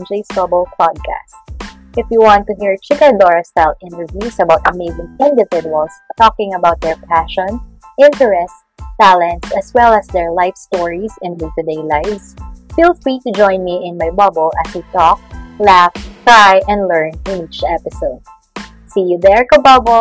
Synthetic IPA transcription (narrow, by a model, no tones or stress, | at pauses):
nd͡ʒeɪsbʌbɔl̩ˠpʰɑd̪̚kʰæ̰st | ʔɪfjuwɑ̃nt̪ʊɦiɹt͡ʃɪkəd̪ɔɹɐstalˠɪ̃nt̪əɹvjusɐbaʊt̪̚əmeɪzɪ̃ŋɪ̃nd̪ɪvɪd͡ʒʊɐlˠst̪ɔkɪ̃ŋɐbaʊt̪̚d̪ɛɹpʰæʃɔ̃n | ʔɪ̃nt̪ɛɹɛst | b̥ælɛ̃ntsɐswɛlˠəsd̪ɛɹlaɪfst̪ɔɹisɪ̃ndut̪ʊd̪eɪlaɪvsfiːlˠfɹit̪ʊd͡ʒɔ̃ɪ̃nmiʔɪ̃nmajbʌbɔlˠʔaswit̪ɔk̚læftɹajʔɛ̃ndlɛ˞nɪ̃nit͡ʃɛpɪsoʊd̪̚ | sijuðɛɹkɐbʌb